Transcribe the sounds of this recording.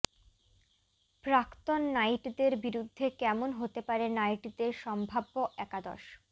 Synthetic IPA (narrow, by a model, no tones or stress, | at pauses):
pɾakt̪onːajʈd̪eɾbiɾud̪ʱːekɛmonɦot̪epaɾenajʈd̪eɾʃɔmbʱabːoʔɛkad̪ɔ̰ɾʃ